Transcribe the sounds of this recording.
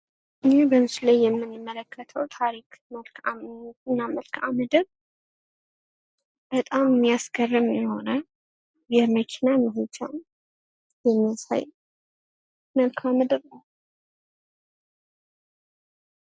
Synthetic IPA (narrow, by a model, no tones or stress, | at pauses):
ʔɨnbəmɨslajːɛmːɨnːɨmːələkʰːət̪ʰəwt̪ʰaɾikməlkʰamɨnːaməlkʰa̰məd̪əβ | bət̪ʼammːijasɡərːɨmjɛho̞nə | jɛməkʰinaməɦud͡ʒʼa̰m | jɛmːijasa̰j | məlkʰamd̪əɾ